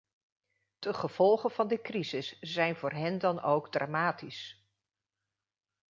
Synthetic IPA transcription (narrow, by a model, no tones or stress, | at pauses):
d̥əχəv̥ɔlˠχənvɑndəkrizɪsz̥ɛjnvʊːɹɦɛndɑnowɡdra̰ːmaːtis